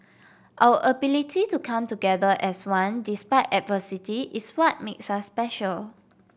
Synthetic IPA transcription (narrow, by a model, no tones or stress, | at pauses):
ʔawəʔəbilitʰitukʰãmtuɡɛdəʔɛswãndispaɪtɛt̚vəsitiʔiswɔt̚meksasːpɛʃəl